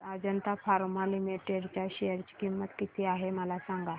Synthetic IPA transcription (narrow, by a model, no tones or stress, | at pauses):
ad͡ʑənt̪afʰaɾmalimiʈeɖt͡ɕaɕejəɾt͡ɕi̥kimːət̪kit̪ʰiaɦeməlasãŋɡa